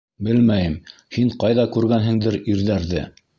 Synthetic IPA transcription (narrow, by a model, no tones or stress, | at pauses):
bɘlmæjɘm | hiɴqɑjðɑkʉɾɡænɦɘ̆ŋd̪ɘɾiɾðæɾðɘ̰